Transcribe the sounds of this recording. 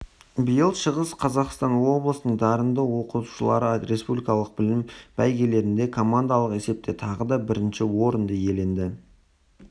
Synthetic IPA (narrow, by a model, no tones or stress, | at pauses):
bijəlˠʃəʁəsqʰɑzɑqst̪ɑnwo̞blˠəsənəɴd̪ɑɾənd̪əwo̞qut̪u̥ʃəlˠɑ̰ɾəɾe̞spublijkɑlˠəq̚bɪlɪmb̥æjɡʲe̞le̞ɾɪnd̪e̞kʰo̞mand̪ɑlˠəqe̞se̞p̚t̪et̪ʰɑʁəd̪ɑbɪɾɪnʃɪwo̞ɾənd̪əje̞le̞nd̪ɪ